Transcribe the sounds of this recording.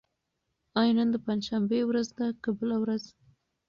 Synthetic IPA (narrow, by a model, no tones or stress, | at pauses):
ɑjɑnənd̪əpand͡ʒʃambewɾazd̪akabəlawɾaz